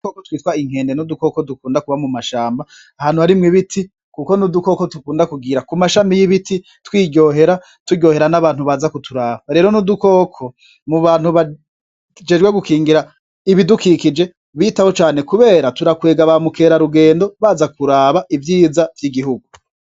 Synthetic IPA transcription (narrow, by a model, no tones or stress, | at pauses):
okotwiːtwaiŋhe̞ːndenuduko̞kodukuːndakuβamumaʃaːmba | ahaːn̥huhaɾimŋiβitʰi | kuko̞nuduko̞kotukuːndakuɡiɾakumaʃamijiβiti | twiːɟɟo̞ːɦe̞ɾa | tuɟo̞ːhe̞ɾanaβaːn̥huβaːzakutʰuɾaːβaɾe̞ːɾo̞nuduko̞ːkʰo̞ | muβaːn̥huβa | d͡ʒe̞ːd͡ʒɡweɡukʰiːŋɡiɾa | iβidukikid͡ʒe̞ | βitahot͡ʃaːne̞kuβe̞ːɾatuɾakwe̞ːɡaβamukeːɾaɾuɡe̞ːndo̞βaːzakuɾaːβaʔivjiːzavjiɡiɦuɡu